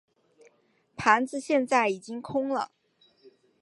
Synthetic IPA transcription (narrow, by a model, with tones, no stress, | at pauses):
pʰa˧˥nd͡zɹ̩˧ɕjɛ˥˧nt͡sa˥˩ɪi˨˩t͡ɕi˥ŋkʰʊ˥ŋlə̰˨